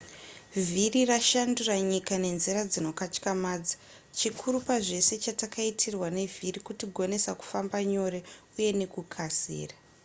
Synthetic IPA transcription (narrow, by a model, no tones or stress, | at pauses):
viriraʃanduraɲikane̞nzirad͡zino̞kat͡ʃkamaːd͡za | t͡ʃikʰuɾupaʐe̞se̞t͡ʃatakaitʰirwane̞vʱirikutiɡʱo̞ne̞saku̥fambaɲo̞ɾe̞uje̞ne̞kukʰasḭːra